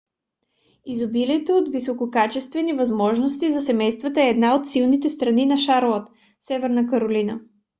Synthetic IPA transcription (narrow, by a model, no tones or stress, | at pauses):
izobilit̪ɛot̪visokokat͡ʃɛst̪vɛnivɐzmɔʒnost̪izɐsɛmɛjst̪vɐt̪əɛːd̪naot̪silˠnit̪ɛst̪ɾɐninɐʃaɾlˠət̪ | sɛvɛɾnəkəɾolinə